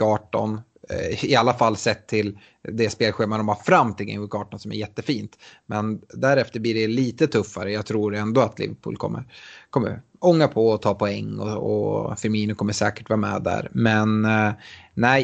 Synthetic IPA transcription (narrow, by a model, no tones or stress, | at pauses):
ɑːʈɔ̰n | ɪalːafalːsɛt̪ʰːɪl | d̪ɛspeːlɧeːmand̪ɔmafɾamːt̪ʰɪlɡɛ̰ŋʊkɑːʈɔnsɔmæ̰ɾjɛt̪ːəfiːnt̪mɛnd̪æɾɛft̪əɾbliːɖɛliːt̪ət̪ʰɵfːaɾəjɑːɡt̪ʰɾuːɾɛnd̪ɔat̪ʰlɪ̰vəɾpʰṵːlkʰɔ̰mːə̰ɾkʰɔmːə̰ɾ | ɔŋːapʰɔɔt̪ʰɑːpʰɔɛŋːɔ̰ɔ̰fɪɾmiːnəkʰɔmːəʂɛːkəʈvɑːɾamɛ̰d̪æ̰ɾmɛn | næɪ